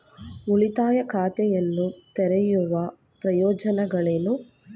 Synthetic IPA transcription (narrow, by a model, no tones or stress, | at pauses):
uɭit̪aːjɐkʰaːt̪ɛjɐnːut̪ɛɾɛjuʋɐ | pɾɐjɔːd͡ʒɐnɐɡɐɭeːnu